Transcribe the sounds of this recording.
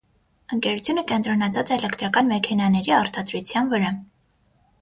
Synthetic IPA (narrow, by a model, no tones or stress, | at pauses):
əŋkɛɾut͡sʰjunəkɛnt̪ɾɔnɑt͡sʰɑt͡sɛːlɛkt̪ɾɑkɑnmɛkʰɛnɑnɛɾiɑɾt̪ɑd̪ɾut͡sʰjɑnvəɾɑ